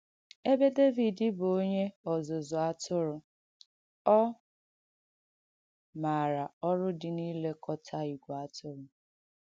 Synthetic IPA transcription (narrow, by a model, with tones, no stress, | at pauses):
e˦be˦de˦vi˨dɪ˦bo˦ɲe˦ɔ˨zʊ˨zʊ˨a˦tʊ˦ɾʊ˨ | ɔ˦ | ma˨ɾa˨ɔ˦ɾʊ˦dɪ˨niː˦le˦kʰɔ˦tʰa˦i˨ɡʷa˦tʊ˦ɾʊ˨